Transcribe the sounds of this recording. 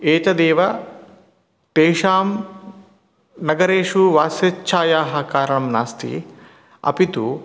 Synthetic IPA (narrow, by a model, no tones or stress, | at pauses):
eːt͡ʃɐd̪eːʋɐ | t̪eːʃaːm | nɐɡɐɾeːʂuʋaːsjɐt͡ʃʰaːjaːɦɐ̆kaːɾɐɳɐmnaːst̪ḭ | ɐ̰pit̪u